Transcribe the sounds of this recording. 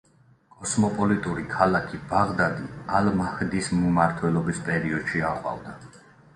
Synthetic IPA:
kʼɔsmɔpʼɔlit̪ʼuɾikʰalakʰibaʁd̪ad̪ialmahd̪ismumaɾt̪ʰwɛlˠɔbispʼɛɾiɔd̪̥ʃiaqʼwa̰vd̪a

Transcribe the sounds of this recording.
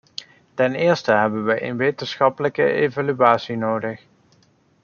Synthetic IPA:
tɛnɪːɹstəɦɛbənʋəʔḛnʋejtənsχɑpələkə̰ejvalyaːtsinowdəx

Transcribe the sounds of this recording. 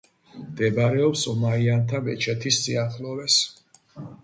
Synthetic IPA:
md̪̥ɛbɾɛɔpsɔmaiant̪ʰamɛt͡ʃʰɛt̪ʰisːiaχlˠɔvɛs

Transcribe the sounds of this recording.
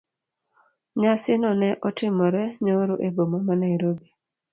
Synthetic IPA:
ɲasɪnɔnɛʔɔtɪmɔɾɛɲoɾoʔebomamanaiɾobe

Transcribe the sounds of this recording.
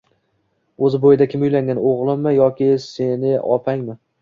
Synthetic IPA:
ɵzɪbojɪd̪akʲʰɪmʊjlaŋʲanoʁlˠɪmːɪjɒkʲɪsenɪʔɒpʰaŋmɪ

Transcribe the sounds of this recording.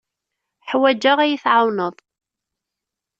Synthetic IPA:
ħwæd͡ʒːaʁæjəθʕawnəðˤ

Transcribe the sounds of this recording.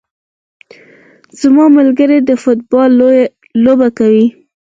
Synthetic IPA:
z̥amɑmalɡəɾed̪əfʊt̪̚bɑlː | obakawi

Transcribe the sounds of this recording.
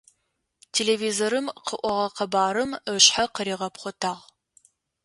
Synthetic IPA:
tʰeːleːviːzoːɾɨmqʰəʔʷɔʁɐqəbaːɾɨməɕħaqəɾiːʁɐpχʷɔtʰaːʁ

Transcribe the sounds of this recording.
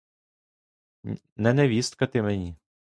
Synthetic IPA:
nɛnɛʋʲist̪̚kɐt̪ɪmɛnʲi

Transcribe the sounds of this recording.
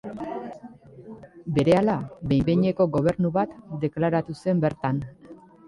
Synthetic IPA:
be̞ɾe̞alabe̞jbe̞ɲe̞ko̞ɣo̞β̞e̞ɾnuβat̪d̪e̞klaɾat̪use̞mbe̞ɾt̪an

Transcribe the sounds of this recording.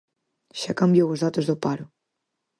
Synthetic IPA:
ʃakambjowozðat̪əzðopaɾu

